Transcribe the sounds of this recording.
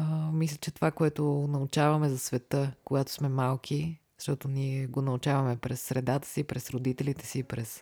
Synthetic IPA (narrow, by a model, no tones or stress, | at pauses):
əmislʲət͡ʃɛt̪ovakoɛt̪onɐʊt͡ʃavɐmɛzɐsvɛt̪əkoɡat̪o̥smɛmalˠkʰi | zəʃt̪ɔt̪oniɛɡonɐʊt͡ʃavɐmɛpɾɛsːɾɛd̪at̪ə̥sipɾɛsɾod̪it̪ɛlit̪ɛ̥siːpɾɛs